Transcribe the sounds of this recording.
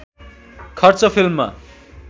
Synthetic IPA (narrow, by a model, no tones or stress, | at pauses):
kʰʌrt͡sʌpʰilmːa̰